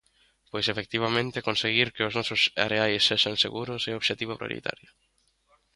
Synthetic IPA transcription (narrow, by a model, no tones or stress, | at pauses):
pojsefek̚t̪iβ̞amẽnt̪ɪkonseɣ̞iɾkɪʊznɔsʊsa̰ɾeajsːeʃaŋsḛɣuɾʊsɛoβʃet̪iβopɾijo̰ɾʔḭt̪a̰ɾjo